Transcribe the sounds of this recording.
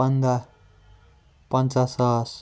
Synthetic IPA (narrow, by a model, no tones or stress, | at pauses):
ʌnd̪a | pʌnt͡sasʌs